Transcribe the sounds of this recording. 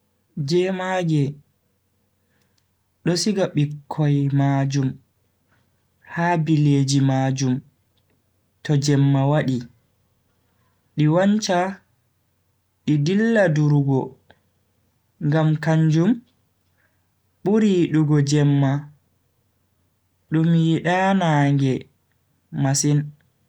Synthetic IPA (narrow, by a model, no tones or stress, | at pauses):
d͡ʒɛmaɡɛ | ɗɔsiɡaɓikʰːɔjmad͡ʒum | haːbileːd͡ʒimad͡ʒum | tɔd͡ʒɛmːawaɗi | ɗiwant͡ʃa | ɗidilːaduɾɡɔ | ŋɡamkaɲd͡ʒum | ɓuɾiɗuɡɔd͡ʒɛmːa | ɗumjiɗanaŋɡɛ | masin